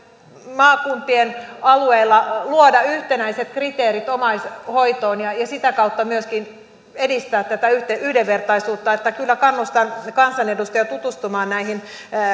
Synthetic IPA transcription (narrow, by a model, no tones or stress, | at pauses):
mɑːkumpienɑlueilːɑluodɑyht̪enæiset̪krit̪eːɾit̪omɑishoit̪oːnjɑjɑsit̪ækɑut̪ːɑmyøskin | edist̪æːt̪t̪æt̪æyht̪eyhdeʋːert̪ɑisuːt̪ːɑet̪ːækylːækɑnːust̪ɑnkɑnsɑnedust̪ɑjɑt̪ut̪ust̪umɑːnnæihin